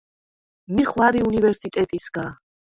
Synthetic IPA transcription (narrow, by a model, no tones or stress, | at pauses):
miχwaɾiunivɛɾsit̪ʼɛt̪ʼisɡa